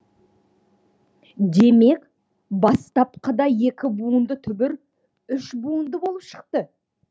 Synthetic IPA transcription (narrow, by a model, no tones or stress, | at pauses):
d̪e̞me̞k | bɑst̪ɑpqəd̪ɑje̞kʲɪbuənd̪ət̪ʰʏbɪɾ | ʏʃbuənd̪əbo̞lˠəpʃə̥q̚t̪ə